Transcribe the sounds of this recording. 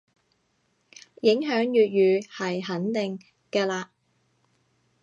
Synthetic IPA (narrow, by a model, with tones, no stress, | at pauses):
jɪ˨˥ŋɦœː˨˥ŋjyː˨t̚jyː˨˧hɐ˨jɦɐ˨˥nt̪ɪ˨ŋ | kɛː˧laː˧